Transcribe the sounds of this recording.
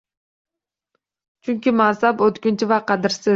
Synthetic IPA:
t͡ʃʰyŋkʲimɑːsɑpøt̪kynt͡ʃɪvɑqɑd̪ɨɾsɪ

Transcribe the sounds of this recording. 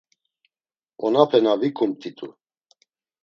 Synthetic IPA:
ɔnapʰɛnavikʰʼumt̪ʰʼit̪ʼṵ

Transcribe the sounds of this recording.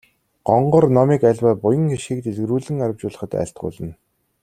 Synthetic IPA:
ɢ̥ɔɴɢɞ̆rnɔmiːkæɮʲwaːpʊjə̆ŋxiʃiːk̚t̪eɮɣruːɮɘ̆ŋaɾə̆wt͡ɕʊːɮə̆χə̆t̪æ̰ːɬt̪̚ɢʊ̰ːɮə̆n

